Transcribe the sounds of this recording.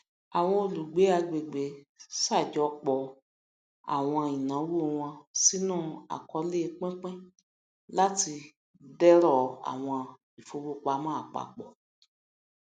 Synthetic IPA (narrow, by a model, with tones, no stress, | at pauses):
a˨w̃ɔ̃˧o˧lu˨ɡ͡be˨˦a˧ɡ͡be˨ɡ͡be˨sa˦˨d͡ʒɔ˨˦k͡pɔ˧˨ | a̰˨w̃ɔ̃˧ĩ˨nã˨˦wu˦˨˧w̃ɔ̃˧si˦nãː˦˨a̰˨kɔ˧le˦˧k͡pɛ̃˦k͡pɛ̃˦ | la˦ti˧ | dɛ˦ɾɔ˦˨a̰˨w̃ɔ̃˧ | i˨fo˧˦wo˦k͡pa˧˦mãː˦a˨k͡pa̰˨k͡pɔ˨